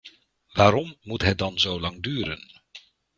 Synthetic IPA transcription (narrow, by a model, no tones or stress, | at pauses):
ʋaːɾɔmːutɦɛt̚dɑnzowlɑŋdyːɾə̰n